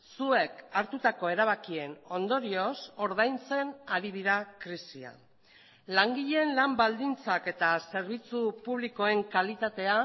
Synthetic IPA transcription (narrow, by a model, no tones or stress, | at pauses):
sue̞kaɾt̪ut̪ako̞e̞ɾaβ̞akie̞no̞nd̪o̞ɾio̞so̞ɾð̞ajnt͡se̞naɾiðiɾakɾisia̰ | laŋɡiʎe̞nlambald̪int͡sake̞t̪ase̞ɾβ̞it͡supuβ̞liko̞e̞ŋkalit̪at̪e̞a